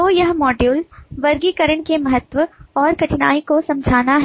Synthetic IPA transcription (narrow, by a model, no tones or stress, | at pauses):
t̪oːjɐɦmɔːɖjuːlʋɐɾɡikɐɾəɳ̃kemɐɦət̪ʋəɔːɾkɐʈɪnaːikosɐ̃md͡ʒʱaːnaɦ